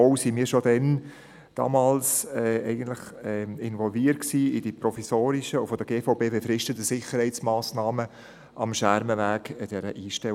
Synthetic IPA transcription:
oʊsimiːɾʃodɛn | d̥ɑ̰ːmɑːlsɛːɛɪɡən̩t̪lɪχɛɪnvɔlviːətksiːid̥ipɾɔfisoːɾɪʃəʊfɔd̥̪əɡ̥eːfoʊbeːbefɾɪʃtət̪əsɪχəɾhɛɪt͡smɑːsnɑːmə | ʔɑmʃæɾməvæːɡɛd̥ɛɾəʔiːʃtɛ

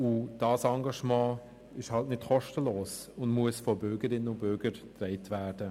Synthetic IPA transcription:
ud̥ɑːsɑŋɡɑʃmɑ̃ː | ɪʃhɑltnɪtxɔʃtəloːs | ʊndmuəsfɔbʏɾɡəɾɪnːənʊnbʏɾɡəɾtrɛɪtvæːd̥ə

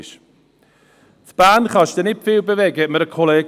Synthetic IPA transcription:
ʃ | θb̥aːnχɔʃd̥ənɪpʰvɪwbɛvɛɡɛməɾəkʰɔlˠɛ

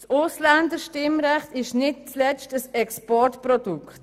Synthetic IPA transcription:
sʊslandəʃtɪmɾɛχtɪʃnɪt̚t͡slɛt͡ʃtəsɛkspɔɹtprɔd̥ukt

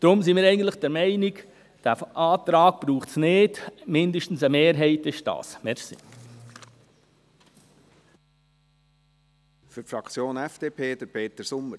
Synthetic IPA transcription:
d̥ɾʊmsimɪːɾɛɪɡən̩tləχd̥əɾmɛɪnɪk | d̥æfʔɑːt̪ɾɑːɡ̥̚b̥ɾuːχtsnɪːd̥mɪndəʃtn̩səmeːɾɦɛɪtɪʃd̥ɑ̰ːsmɛɾsḭ | fyɾfɾɑkt͡sjoːnɛfd̥eːpʰeːd̥̪əɾpʰeːt̪əsʊmːəɾ

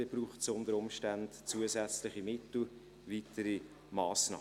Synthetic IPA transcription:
eb̥ɾuːχtsʊndəɾʊmʃtandt͡suəzɛt͡slɪχimɪtl̩ | vitəɾi | mɑːsnɑ̰ː

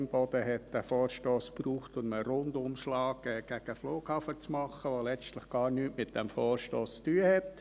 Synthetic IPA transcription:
mb̥ɔd̥̪əɦɛt̪̚d̥̪æfoːɾʃtoːspruːχtʊndəɾʊndʊmʃlɑːkɛːɡ̥æɡ̥əfloːkhɑfət͡smɑχːəʋolɛt͡stlɪχɡ̥ɑːɾnyːtmɪt̚d̥ɛmfoːɾʃtoːst͡styːəhɛt̪

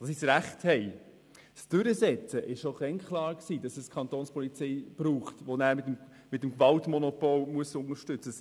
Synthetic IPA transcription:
d̥ɑsisɾæχthɛɪ | sd̥ʏɾəsɛt͡səʔɪʃʃoχɛŋkχlɑːɾksiːdɑsɛskʰɑntoːnspɔlit͡sɛɪb̥ɾuːχtʋonæːɾmɪm | mɪtəmkvɑltmɔnɔpɔlmuəsʊŋəɾʃtʏt͡sə

